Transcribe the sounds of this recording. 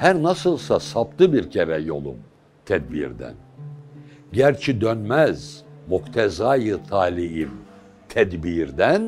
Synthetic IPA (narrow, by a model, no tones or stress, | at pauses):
hæɾnasɯlˠsasap̚t̪ʰɯbiɾcʰeɾɛjo̞̰lˠṵm | t̪ʰɛd̪̚bḭɾd̪æ̰n | ɟæɾt͡ʃʰid̪ønmæz̥mukt̪ʰɛzaːjɯt̪ʰaːlʲijim | t̪ʰɛd̪biɾd̪æn